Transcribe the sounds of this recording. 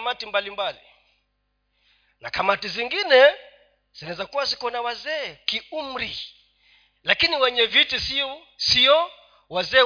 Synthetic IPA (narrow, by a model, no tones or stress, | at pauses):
matimbalimbalḭ | nakamatiziŋɡinɛ | z̥inaɛzakuwazikɔnawazɛːkium̩ɾi | lakiniwɛɲɛvitisi | siɔ | wazɛː